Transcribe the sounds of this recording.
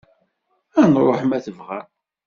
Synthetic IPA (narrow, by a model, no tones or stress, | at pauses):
ænɾˤoħmæθəvʁa